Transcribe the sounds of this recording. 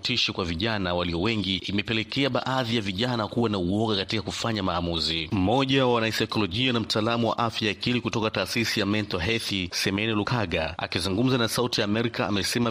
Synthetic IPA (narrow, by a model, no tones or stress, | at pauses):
tʰiʃikwaviʄanawaliɔwɛŋɡiimɛpɛlɛkɛaɓa̰ʔaðijaviʄanakuwanauwɔɠakatikakufaɲamaːmuzim̩mɔʄawanaisajkɔlɔʄianam̩taːlamuwa̰ʔafjajakilikutɔkataːsisijamɛntɔɦɛθisɛmɛnɛlukaɠaa̰kizuŋɡum̩zanasautijaːmɛɾikaa̰mɛsɛma